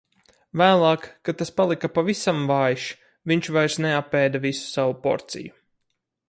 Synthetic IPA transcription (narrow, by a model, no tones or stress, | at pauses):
væːlˠɑːkːat̪aspalˠikapavisamvaːjʃ | viɲt͡ʃvajɾsneapːɛːd̪avisu̥savupɔ̰ɾt̪sḭju